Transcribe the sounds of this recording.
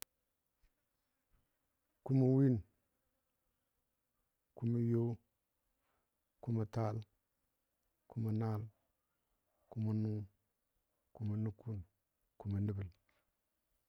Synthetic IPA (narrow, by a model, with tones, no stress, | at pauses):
ku˦ma˨wi˦n | ku˦ma˨jo˦ | ku˦ma˨ta˦l | ku˦ma˨na˦l | ku˦ma˨nu˦ŋ | ku˦ma˨nu˦ku˦˨n | ku˨ma˨ni˦bi˨l